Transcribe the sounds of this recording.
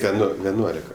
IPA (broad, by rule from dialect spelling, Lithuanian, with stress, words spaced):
ˈtʲɛn ˈnʊ ˈʋʲæːˈnuɔlʲɪkɐ